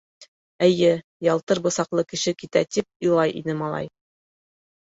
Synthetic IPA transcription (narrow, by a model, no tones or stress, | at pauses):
ɘ̆jɘ | jɑlˠt̪ɤɾbɤ̆sɑqlˠɤkɘ̆ʃɘkit̪æt̪ip̚ŏjlˠɑjʔḭnɘmɑlˠɑ̰j